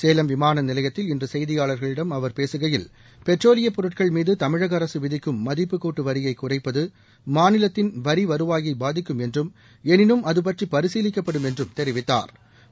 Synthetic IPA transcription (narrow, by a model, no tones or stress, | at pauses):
seːlɐmʋɪmaːnɐnɪlɐjɐt̪ːɪlɪndrɯsɐjðɪjaːɭɐɾɣɐɭɪɽɐmɐʋɐɾpeːsɯɣɐjɪl | pɛʈroːlɪjɐpɔɾɯʈ̚kɐɭmiːðɯt̪ɐmɪɻɐɣɐɾɐsɯʋɪðɪkːɯmːɐðɪpːɯkːoːʈːɯʋɐɾɪjɐɪkːʊrɐɪpːɐðɯ | maːnɪlɐt̪ːɪnʋɐɾiʋɐɾɯʋaːɣiɪbaːðɪkːɯmɛndrɯm | ɛnɪnɯmɐðɯp̬ɐʈripɐɾɪsiːlɪkːɐpːɐɽɯmɛndrɯmt̪ɛɾɪʋɪt̪ːa̰ːɾ